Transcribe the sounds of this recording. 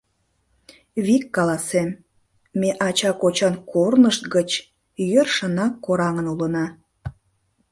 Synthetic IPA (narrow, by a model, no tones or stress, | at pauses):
βikːɑlɑsemː | eʔɑt͡ɕɑkot͡ɕɑnkʰornəʃt̪ɡət͡ɕ | jørʃənɑkːoɾɑŋənulənɑ